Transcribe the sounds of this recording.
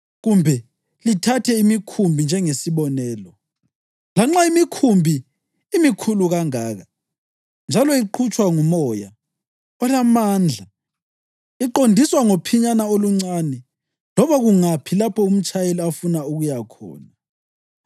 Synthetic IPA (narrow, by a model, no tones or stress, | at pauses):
ɣumbʱɛ | litʰatʰɛimikʰumbʱind͡ʒʱɛŋesiβɔnɛːlɔ | laŋ͡ǁaimikʰumbʱiː | mikʰuluɣaŋaːɣa | nd͡ʒʱalɔiǃʰut͡ʃʼwaŋumɔja̰ | ɔlamaːnd͡ɮʱa | iǃondʱiswaŋopʰiɲanaoluŋ͡ǀaːnɛ | lɔβaɣuŋapʰilapʰɔum̩t͡ʃʼajeliafunauɣujakʰɔ̰ːna